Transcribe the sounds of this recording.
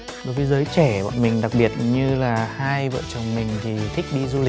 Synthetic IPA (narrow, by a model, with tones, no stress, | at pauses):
ɗo˨˦jvəː˨˦jzəː˨˦jt͡ɕɛ˧˩ɓɔ̰˧˨nmï˨˩ŋ̟ɗa˨˩k̚ɓi˨˩ət̚ɲɨ˧laː˨˩haː˧jvə̰ː˧˨t͡ɕə˨˩wŋ͡mmï˨˩ŋ̟t̪ʰi˨˩t̪ʰï˦˥k̟̚ɗi˧zu˧li˨˩k̚